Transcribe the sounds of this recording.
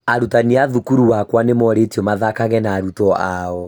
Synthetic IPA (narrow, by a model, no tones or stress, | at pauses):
aɾutaniaðukuɾuwakwanemɔɾetiɔmaðakaɣɛnaːɾutɔaɔ